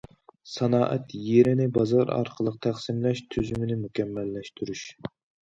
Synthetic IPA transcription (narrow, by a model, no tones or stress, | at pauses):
sɑnɑːʔɛt̪jeɾɪnɪbɑzɑɾɑ̰ɾqʰəlˠəqt̪ʰæχsɪmlɛʃt̪ʰyzymɪnɪmukʲɛmːɛlːɛʃt̪ʰyɾyʃ